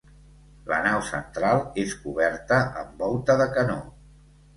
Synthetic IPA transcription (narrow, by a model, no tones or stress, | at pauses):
lə̰nawsənt̪ɾalˠeskuβ̞ɛrt̪əəmbɔlˠt̪əðəkəno